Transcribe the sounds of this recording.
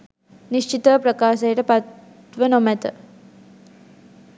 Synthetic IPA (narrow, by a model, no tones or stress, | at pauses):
niʃt͡ʃit̪ɐpɾɐkaːʃejʈɐpɐt̪ | ʋɐnomɐt̪ɐ